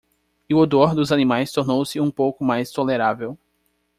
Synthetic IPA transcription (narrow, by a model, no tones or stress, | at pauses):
iʊod̪oɾd̪ʊzanĩmajst̪oɾnowsɪũpowkʊmajst̪oleɾavew